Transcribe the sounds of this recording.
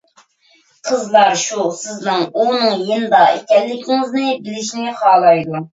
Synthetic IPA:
qʰəzlˠɑɾʃusɪznɨŋunɨŋjind̪ɑḛkʲɛlːɪkʲʰiŋɪznɪbɪlɪʃnɪχɑːlˠɑjd̪u

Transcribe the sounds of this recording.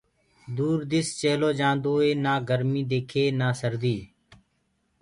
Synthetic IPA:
d̪uːɾd̪ɪst͡ʃeːloːd͡ʒãːnd̪oːeːnaːɡəɾmiːd̪eːkʰeːnaːsəɾd̪iː

